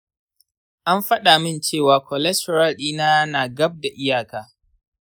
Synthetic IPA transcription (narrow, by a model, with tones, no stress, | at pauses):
ʔa˦mɸɐ˦ɗa˨mɪ˦nt͡ʃeː˦˨waː˨kʰɔ˨lɛ˦stɔ˨ɾa˦lɗiː˦naː˦naː˨ɡɐ˦b̚da˨ʔɪ˦jaː˨kaː˨